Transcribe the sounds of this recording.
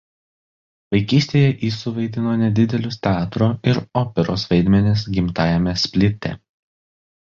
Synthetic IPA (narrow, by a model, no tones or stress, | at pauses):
ʋɐɪkʲiːsʲt̪ʲeːjɛʔiːsʊʋɐɪd̪ʲɪnoːnʲɛd̪ʲɪd̪ʲɛlʲʊsʲt̪ʲɛɑːt̪ɾoɪɾoːpʲɛɾoːsʋɐɪd̪ʲmʲɛnʲɪs̬ɡʲɪmt̪ɑːjɛmʲɛsʲpʲlʲɪt̪ʲɛ̰